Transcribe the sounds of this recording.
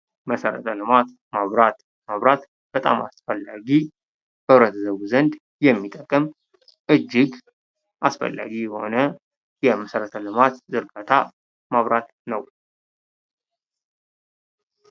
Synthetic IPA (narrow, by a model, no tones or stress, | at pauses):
məsəɾə̰t̪ʰəlɨmat̪ | maβɾat̪ | maβɾat̪ | b̥ət̪ʼa̰ma̰sfəlːaɡi | b̥əβɾət̪ʰzəβuzənd̪ | jɛmːit̪ʼəkʼːəm | ʔɨd͡ʒːɪɡ | ʔasfə̰lːa̰ɡiho̞nə | jɛməsəɾət̪ʰəlɨmat̪zɨɾɡat̪ʰa̰ | maβɾat̪nəw